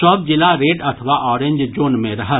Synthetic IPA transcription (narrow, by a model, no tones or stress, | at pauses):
sɔːpd͡ʒɪlaɾeːʈɐt̪ʰəʋaʔɔːɾẽɲd͡ʒd͡ʒoːnmẽɾɐɦa